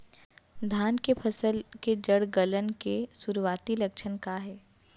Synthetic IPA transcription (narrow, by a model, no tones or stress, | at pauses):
d̪ʱaːnkepʰɐsəlked͡ʒəɽɡələnkesʊɾuwaːt̪ilɐkʃʰənkaɦɛː